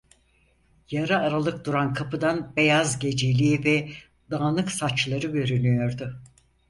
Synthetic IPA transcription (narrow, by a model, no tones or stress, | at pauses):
jaɾɯaɾalˠɯk̚d̪uɾankʰapʰɯd̪anbe̞jazɟe̞d͡ʒelʲiivɛ | d̪aːnɯksat͡ʃlˠaɾɯbø̞ɾynyjo̞ɾd̪ʊ